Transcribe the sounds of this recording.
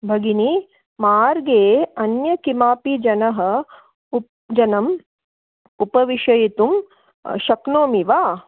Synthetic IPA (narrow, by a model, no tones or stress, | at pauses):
bʱɐɡini | maːɾɡeːɐnjɐkimaːpid͡ʒɐnɐɦɐ̆ | d͡ʒɐnɐm | upɐʋiʃɐjit̪um | ʃɐknoːmiʋaː